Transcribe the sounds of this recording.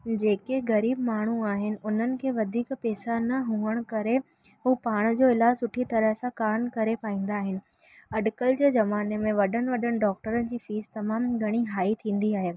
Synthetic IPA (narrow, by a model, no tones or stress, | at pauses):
d͡ʑeːkeɣɐɾiːbmaːɳ̤̃uaːɦɪnɪ̆ʔʊn̤ənɪ̆kʰeːʋɐd̪ʱiːkpeːsanɐɦũəɽ̃kɐɾe | ɦuːpaːɽ̃d͡ʑoːɪlaːd͡ʑsʊʈʰit̪ɐɾəɦsãkaːɾnkɐɾepaːĩːn̆d̪aːɦɪnɪ̆ | ɐɖkəld͡ʑeːzɐmaːnemẽʋɐɗənɪ̆ʋɐɗəɽ̃ɪ̆ɖɔːk̚ʈəɾənɪ̆d͡ʑiːfiːzt̪ɐmaːmɡʱɐɽ̃iɦaːit̪ʰĩːn̆d̪iaːɦeː